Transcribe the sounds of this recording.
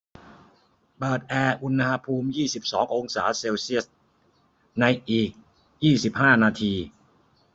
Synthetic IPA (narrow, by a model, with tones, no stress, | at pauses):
bɤː˨˩t̪̚ʔɛː˧ʔu˧n˧ha˧pʰuː˧mjiː˥˩si˨˩p̚sɔ̰ː˩˦ŋʔo˧ŋsa̰ː˩˦se˧wsi˥˩ət̪̚ | na˧jʔiː˨˧˩k̚ | jiː˥˩si˨˩p̚haː˥˩naː˧t̪ʰiː˧